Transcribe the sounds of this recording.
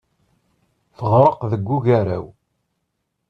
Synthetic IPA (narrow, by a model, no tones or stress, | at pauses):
θəʁɾˤəqðəɡʷːuʝaɾæ̰w